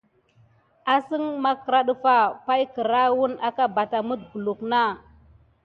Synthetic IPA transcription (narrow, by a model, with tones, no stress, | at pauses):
a˨si˦ŋma˦kə˨ɾa˦ɗu˦fa˦pa˦jkə˨ɾa˦wu˦na˦ka˦ba˨ta˨mu˦d̚ɡu˨lu˨kna˦˨